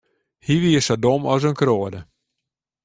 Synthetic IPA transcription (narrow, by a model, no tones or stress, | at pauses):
hiʋiəsadomɔs̬ənkroədə